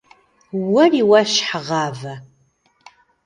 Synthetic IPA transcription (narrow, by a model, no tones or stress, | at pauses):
wɐriwɐʃħaʁɑːvɐ